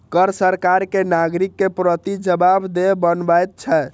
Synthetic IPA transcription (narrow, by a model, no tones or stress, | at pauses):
kəɾsəɾkaɾkenaɡɾikːepɾət̪id͡ʒəbabd̪ebənbajt̪̚t͡ʃʰɛ